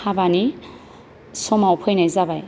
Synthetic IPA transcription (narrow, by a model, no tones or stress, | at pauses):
abani | somawpʰɯjnajzabaj